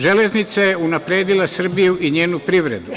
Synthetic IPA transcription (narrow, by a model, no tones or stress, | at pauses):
ʒele̞znit̪sajeunapɾeːd̪ilasr̩bijuʔiɲe̞ːnupɾiʋɾe̞d̪u